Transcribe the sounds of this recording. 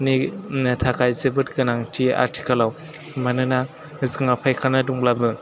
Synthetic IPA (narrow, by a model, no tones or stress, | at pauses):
nitʰakʰajzebɯtkɯnaŋtʰia̰ɾtʰi̥kɐlaw | manɯna | ziŋapʰajkʰanɐduŋblabɯ